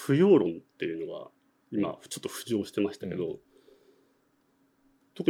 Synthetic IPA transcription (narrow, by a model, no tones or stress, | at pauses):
ɸɯ̟jo̞ːɾõ̞nt̪ːe̞jɯ̟no̞ɡa̰ | ima̰t͡ɕo̞t̪ːo̞ɸɯ̟̥ʑo̞ːɕi̥t̪e̞maɕi̥t̪ake̞d̪o̞ | t̪o̞kɯ̟